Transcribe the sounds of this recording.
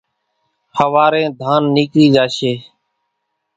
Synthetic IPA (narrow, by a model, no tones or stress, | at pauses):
həʋaːɾẽːd̪ʱaːnːiːkɾiːd͡ʒaːʃeː